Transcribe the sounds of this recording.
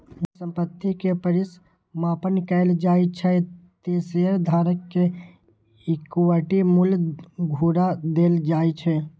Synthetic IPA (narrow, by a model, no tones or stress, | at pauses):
usə̃mpət̪ːikepəɾɪs | maːpənkəɪld͡ʒaːit͡ʃʰɛt̪eːsejəɾd̪ʱaːɾəkːe | ɪkuwəʈimʊlɡʱuːɾad̪eːld͡ʒaːit͡ʃʰɛ